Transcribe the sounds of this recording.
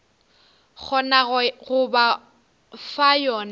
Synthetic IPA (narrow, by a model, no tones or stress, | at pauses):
k͡xʰɔnaɣʊba | fajɔːna